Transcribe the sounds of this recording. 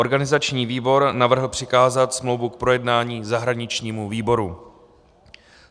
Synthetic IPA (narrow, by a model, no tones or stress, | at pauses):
oɾɡanɪzat͡ʃɲiːviːbo̞ɾnavr̩ɦl̩pr̝̥ɪkaːzat̪smlo̞wvuk̚pɾo̞jɛdnaːɲiːzaɦɾaɲɪt͡ʃɲiːmuviːbo̞ɾu